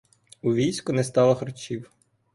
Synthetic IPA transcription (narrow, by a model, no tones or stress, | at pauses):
uʋʲijsʲkʊnɛst̪ɑlˠɐxɾɔt͡ʃʲiw